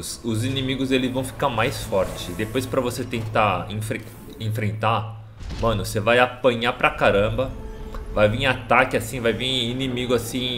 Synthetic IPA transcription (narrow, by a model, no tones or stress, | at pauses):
sʊzinĩmiɡʊzelɪzvɐ̃w̃fi̥kaɾmajsfɔɾt͡ʃɪ̥d̪epojspɾɐvoset̪ẽnt̪aẽfɾẽ | ẽfɾẽnt̪a | mɐ̃nʊsevajapɐ̃ɲapɾɐkaɾɐ̃bɐvajvĩat̪akɪasĩvajvĩinimiɡʊasĩ